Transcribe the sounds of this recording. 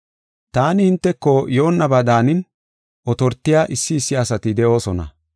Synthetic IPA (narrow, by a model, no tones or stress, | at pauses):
t̪aːnɪhɪnt̪ːɛkːɔjo̞ːnːɐbaːd̪aːnɪn | ʔɔt̪ɔɾt̪ːɪjaːʔɪsːɪːsːɪɐsɐt̪ɪd̪ɛʔo̞ːsɔnɐ̰